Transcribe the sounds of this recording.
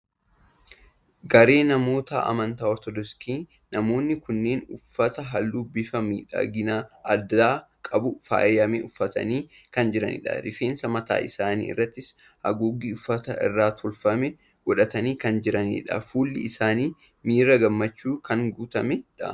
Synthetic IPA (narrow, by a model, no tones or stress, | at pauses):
ɡɐɾe̞ːnɐmo̞ːt̪a̰ːʔɐ̰mɐnt̪aːɔɾt̪ɔd̪ɔskiː | nɐmo̞ːnːɪkʊnːe̞ːnʊfːɐt̪ɐɦɐlːʊbːɪfɐmḭːᶑɐ̰ɡɪnaɐd̪ːaːkʼɐbʊfa̰ːjɐmɛʊfːɐt̪ɐ̰niː | kɐnd͡ʒɪɾɐ̰nḭːᶑɐ̰ɾɪfeːnsɐmɐt̪a̰ːʔɪsaːnḭːɪ̰rːɐt̪ːɪs | hɐ̰ɡuːɡiːʊfːɐt̪ɐʔɪ̰rːaːt̪ʰʊlfɐmɛ | ɡɔᶑɐt̪ɐniːkɐnd͡ʒɪɾɐnḭːᶑɐ̰fuːlːɪ̰ɪsaːniː | miːɾɐɡɐmːɐt͡ʃːuːkʰɐŋɡuːt̪ɐmɛᶑɐ